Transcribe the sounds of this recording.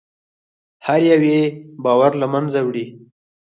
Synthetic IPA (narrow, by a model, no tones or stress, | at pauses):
haɾjawebɑwaɾlamanzawɽi